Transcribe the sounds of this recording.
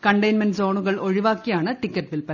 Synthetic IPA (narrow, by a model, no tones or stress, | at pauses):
kɐɳɖɐɪnmɐnsoːɳɯɣɐɭɔɻɪʋaːkːɪjaːnɐʈɪkːɐʈ̚ʋɪɭpɐ